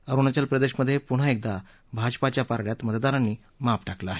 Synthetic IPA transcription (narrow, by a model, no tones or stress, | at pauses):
əɾuɳat͡ɕalpɾəd̪eɕməd̪ʱːjepuɽ̤aek̚d̪a | bʱad͡ʑpat͡ɕjapaɾɽjat̪mət̪əd̪aɾanːiː | mapʈaklaːɦe